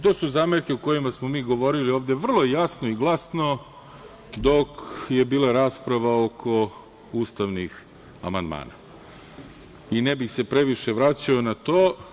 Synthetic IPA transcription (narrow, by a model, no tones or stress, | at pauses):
t̪o̞ːsuzaːmeɾkeuko̞jimasmo̞miːɡo̞ʋo̞ɾilio̞ːʋd̪e̞ʋr̩lˠo̞jejasnoiɡlˠasno̞ | d̪o̞kje̞biːlˠaɾaːspɾaʋaokʰo̞ | uːst̪aʋnix | a̰mand̪ma̰ːna̰ | inebixse̞pɾeʋiʃe̞ʋɾat͡ɕaonat̪oː